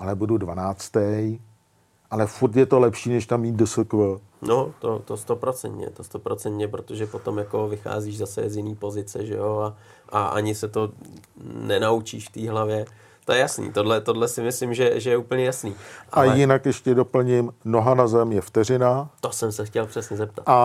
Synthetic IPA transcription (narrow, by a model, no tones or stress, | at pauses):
ʔalɛbududvanaːt͡st̪ɛj | ʔalɛfuɾt̪jɛt̪olɛpʃiːnɛʃt̪amːiːdəsəkvə | not̪o̰t̪ost̪o̞pɾo̞t͡sɛ̰nt̪ɲɛ̰t̪ost̪opɾo̞t͡sɛnt̪ɲɛpɾot̪oʒɛpot̪o̞mjako̞vɪxa̰ːziːʒzasɛ̰zjɪniːpo̞zɪt͡sɛ̰ʒɛ̰joa | ʔaʔa̰ɲɪsɛt̪o̞ | nɛnaut͡ʃḭːʃft̪iːɦlavjɛ | t̪ojɛjasnḭːt̪o̞dlɛt̪o̞dlɛsɪmɪslɪmʒɛʒɛjɛuːpl̩ɲɛjasniːʔaajɪnakjɛʃcɛdo̞pl̩ɲɪmno̞ɦanazɛmjɛft̪ɛrɪnat̪osɛmsɛxcɛlpr̥ɛsɲɛzɛp̚t̪ata